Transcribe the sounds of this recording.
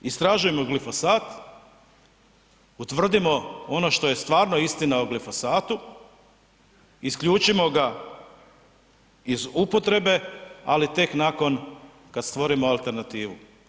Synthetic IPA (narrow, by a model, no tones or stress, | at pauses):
ist̪ɾaʒuje̞mo̞ɡlifo̞saːt̪ | ut̪ʋr̩d̪imo̞o̞no̞ʃt̪o̞je̞st̪ʋaːɾno̞ist̪inaoɡlifo̞saːt̪u | iskʎuːt͡ʃimo̞ɡa | izupo̞t̪ɾe̞be̞a̰lit̪e̞knako̞n | kad̪st̪ʋo̞ɾimo̞alˠt̪e̞ɾnat̪iːʋu